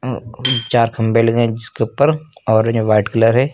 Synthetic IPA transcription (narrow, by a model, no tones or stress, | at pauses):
t͡ʃaːɾkʰɐ̃mbelɐɡẽd͡ʒɪskeʊpəɾɔːɾd͡ʒoʋaːɪʈkɐləɾɦɛː